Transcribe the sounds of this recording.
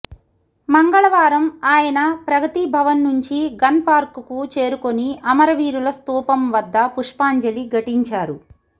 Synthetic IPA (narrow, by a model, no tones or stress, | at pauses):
mɐŋɡɐɭɐʋaːɾɐmaːjɐnɐpɾɐɡɐt̪ibʱɐʋɐnːuɲt͡ʃiɡɐnpaːɾkukut͡ʃe̞ːɾuko̞niʔɐmɐɾɐʋiːɾulɐst̪uːpɐmʋɐd̪ːɐpuʂpaːɲd͡ʒɐliɡɐʈiɲt͡ʃaːɾu